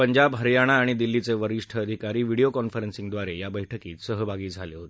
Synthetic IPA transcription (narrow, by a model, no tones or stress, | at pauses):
pəɲd͡ʑabɦəɾjaɽ̃aːɽ̃id̪ilːit͡seʋəɾiʂʈʰəːd̪ʱikaɾiːʋiɽiokɔnfəɾensiŋd̪ʋaɾejabəjʈʰəkiːt̪səɦəbʱaɡiːd͡zʱaleɦot̪e̥